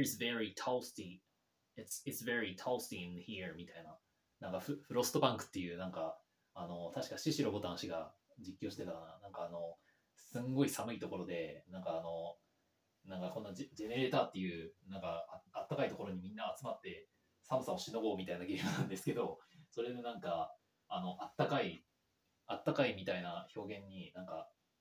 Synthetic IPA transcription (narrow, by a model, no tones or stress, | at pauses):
isveɹit̪ʰalst̪i | itsitsveɹit̪ʰalst̪iĩnçimʲit̪aina | nãŋkaɸɯɸɯ̟ɾo̞sɨ̥t̪obãŋkɯ̟̥t̪ːe̞jɯ̟ːnãŋkaː | no̞t̪aɕi̥kaɕiɕiɾo̞bo̞t̪ãɕiɡa | d͡ʑikʲːo̞ːɕit̪e̞t̪akananãŋkaːno̞ | sɨ̃ŋɡo̞isamɯ̟it̪o̞ko̞ɾo̞d̪e̞nãŋkaːno̞ | nãŋkakõ̞nːad͡ʑe̞ne̞ɾe̞ːt̪aːt̪ːe̞jɯ̟ːnãŋkaat̪ːakait̪o̞ko̞ɾo̞ɲ̟imʲĩnːaːt͡sɨmat̪ːe̞ | samɯ̟sao̞ɕino̞ɡo̞ːmʲit̪ainaɡʲe̞ːmɯnãnd̪e̞sɨ̥ke̞d̪o̞so̞ɾe̞d̪enãŋkaː | no̞ʔat̪ːakai | at̪ːakaimʲit̪ainaço̞ːɡẽ̞ɲ̟ːinãŋka